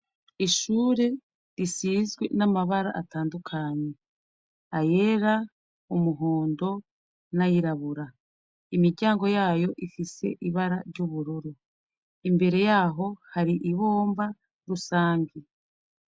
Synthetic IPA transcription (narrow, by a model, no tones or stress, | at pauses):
iʃuːɾe | ɾisiːzɡwḛnamaβaɾa̰ʔːtaːndukʰaɲe | aje̞ɾa | umuɦoːndo̞ | najiɾaβuɾa | imiɾɟaːŋɡo̞jaːjo̞ʔifise̞̰ʔiβaɾaɾɟuβuɾuɾo | imbe̞ɾe̞jaːɦo̞haɾiʔiβo̞ːmba | ɾusaːɲɡi